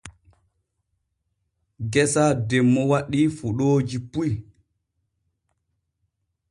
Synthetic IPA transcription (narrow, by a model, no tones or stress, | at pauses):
ɡɛsaːdɛmːɔwaɗːiːfuɗoːd͡ʒipuj